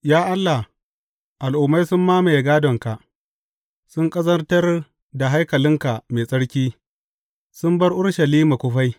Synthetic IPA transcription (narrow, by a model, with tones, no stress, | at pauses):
jaː˦ʔa˦lːa˨h | ʔa˨lʔʊ˨mːa˦jsʊ˦mːaː˦ma˨jɡaː˦dɔ˨ŋka˨ʔ | sʊ˦ŋkʼɐ˦zɐ˦rtɐ˦r | da˨ɦa˦jkɐ˨lɪ˦ŋka˨ʔme˨sʼɐ˦ɽkʲiː˦ | sʊ˦mbɐ˦rʔʊ˦ɽʃɐ˨liː˦ma˨kʷʊ˦ɸa˦j